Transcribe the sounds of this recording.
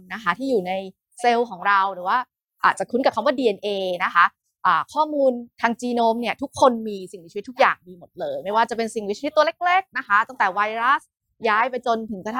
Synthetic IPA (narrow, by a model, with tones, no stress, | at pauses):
na˦˥kʰa˦˥t̪ʰiː˥˩juː˨˩na˧j | se˧wkʰɔː˩˦ŋɾa˧wɾɯː˩˦waː˥˩ | ʔaː˨˩t̪̚t͡ɕa˨˩kʰu˦˥nka˨˩kʰmwaː˥˩diː˧ʔe˧nʔeː˧na˦˥kʰa˦˥ | ʔaː˨˩kʰɔː˥˩muː˧nt̪ʰaː˧ŋt͡ɕiː˧noː˧mni˥˩ɐt̪ʰu˦˥kʰːo˧nmiː˧si˨˩ŋwt͡ɕʰt̪ʰːu˦˥k̚ja̰ː˨˩ŋdiː˧mɯ˩˦nlɤː˧jma˥˩jwaː˥˩t͡ɕa˨˩pe˧nsi˨˩ŋwi˦˥t͡ɕt̪ːu˧le˦˥˩k̚ɾeː˦˥˩k̚na˦˥kʰa˦˥t̪a˥˩ŋt̪ɛː˨˩wa˧jɾa˦˥s | jaː˦˥jpa˧jt͡ɕo˧nt̪ʰɯ˨˩˦ŋka˧a˥